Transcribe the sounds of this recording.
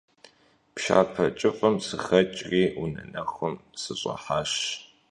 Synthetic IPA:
pʃa̰ːpʰɐt͡ʃʼɨfʼɐmsɨxɐt͡ʃʼriːunɐnɐχʊmsɨɕʼɐ̰ħaːɕ

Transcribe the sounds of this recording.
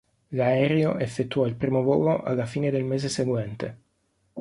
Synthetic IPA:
laɛːɾeoʔefːet̪ːuɔilpɾiːmovo̰ːloʔa̰lːafiːned̪elmeːzeseɡwɛnt̪e

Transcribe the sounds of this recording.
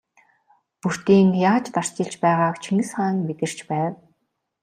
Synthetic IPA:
pur̥t̪iːŋjaːt͡ɕt̪ar̥t͡ɕɪ̆ɬt͡ɕpæːʁaːkt͡ɕʰiŋɘ̆sχaːŋmet̪ɘ̆r̥t͡ɕpæːw

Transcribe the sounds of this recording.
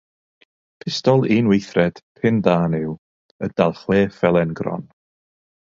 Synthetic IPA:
pʰɪstɔlˠinwejθrɛd̥pʰɪndaːnɪw | ədalˠχweːfɛlˠɛnɡrɔ̰n

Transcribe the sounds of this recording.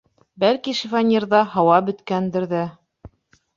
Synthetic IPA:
bælkiʃifanʲiɾðɑɦɑwɑbɵ̆t̪kænd̪ɘ̆ɾðæ

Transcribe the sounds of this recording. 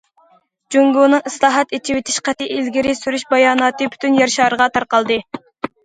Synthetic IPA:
d͡ʒoŋɡonɨŋɨslˠɑːɦɑt̪et͡ʃʰiwet̪ʰi̥ʃqæt̪ɪʔilɡʲiɾɪsyɾyʃbɑjɑːnɑːt̪ɨby̥t̪ʰynjɑɾʃɑːɾəʁɑt̪ʰɑɾqɑlˠd̪ɨ

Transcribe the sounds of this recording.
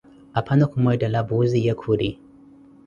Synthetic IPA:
apʰanakʰumajdalabuzijakʰuɾi

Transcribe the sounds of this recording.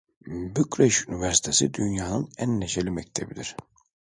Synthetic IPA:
bykɾeʃynivæɾsi̥t̪ʰesḭd̪ynjaːnɯnænːeʃelʲimɛct̪ʰebid̪iɾ̥

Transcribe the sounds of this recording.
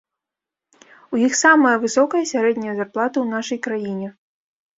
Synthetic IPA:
ujixsamɐjɐvɨsɔkɐjɐsʲaɾɛd̪ʲnʲɐjɐzarplˠat̪ɐwnaʂɐjkɾajinʲɛ

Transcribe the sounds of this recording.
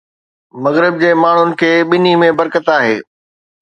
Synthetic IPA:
mɐɣɾɪb̚d͡ʑeːmaːɳ̤ʊnɪ̆kʰeːɓɪn̤imẽbɐɾkət̪aːɦḛː

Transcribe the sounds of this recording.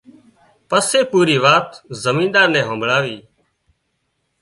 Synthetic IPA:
pəseːpuːɾiːʋaːt̪zəmĩːnd̪aːɾnɛ̃ːɦə̃ːmbʱɭaːʋiː

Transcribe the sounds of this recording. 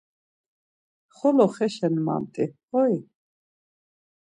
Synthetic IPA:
χɔlɔχɛʃɛnma̰mt̪ʼihɔj

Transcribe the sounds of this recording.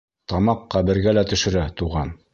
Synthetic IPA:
t̪ɑmɑqːɑbɘ̆ɾɡælæt̪ɵ̆ʃɘ̆ɾæt̪uʁɑn

